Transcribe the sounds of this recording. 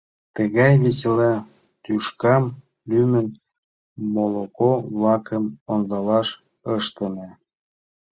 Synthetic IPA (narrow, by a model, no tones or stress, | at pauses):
t̪ə̆ɣɑjβeselɑ | t̪yʃkɑm | lymən | molokoβlˠɑkəmonzɑlɑʃ | ɤʃt̪ə̆nɤ